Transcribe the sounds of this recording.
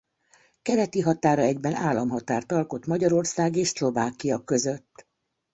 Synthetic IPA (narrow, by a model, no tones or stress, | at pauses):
kɛɾɛt̪iɦɒt̪aːɾɒɛɟbɛnaːlːɒmɦɒt̪aːrt̪ɒlko̞t̪mɒɟɒɾo̞rsaːɡeːʃslo̞vaːkijɒkø̞zø̞t̪ː